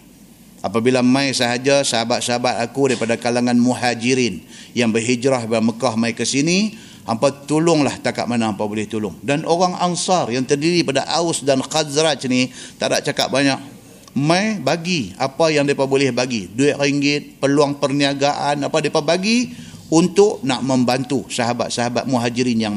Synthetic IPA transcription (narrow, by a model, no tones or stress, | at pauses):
ʔapabilamãjsəɦad͡ʒasəɦabat̪̚səɦabat̪akudaipadakalaŋanmuɦad͡ʒiɾinjaŋbəɦid͡ʒɾaɦbaaməkahmaikəsini | ampat̪ulʊŋlaht̪aka̰ʔ̚manaampabolɛht̪ulʊŋdanʔoɣaŋansɑrjaŋt̪ərdiɾipadaʔaʊsdanxazɾat̪̚t͡ʃənit̪ada̰ʔ̚t͡ʃaka̰t̪̚baɲak̚ | majbaɡia̰pajaŋdiapabolɛhbaɡiduɪʔ̚riŋɡɪt̪̚pərluaŋpərniaɡaʔanapadiapabaɡiunt̪ʊʔnaʔməmbant̪usaɦaba̰t̪̚saɦaba̰t̪̚muɦad͡ʒiɾinjaŋ